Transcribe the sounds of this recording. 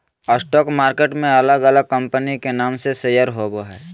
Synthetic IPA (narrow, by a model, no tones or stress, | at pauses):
əsʈɔːkmaːɾkeʈmẽɐləɡələɡ̚kə̃mpənikenaːmsesejəɾɦoboɦɛː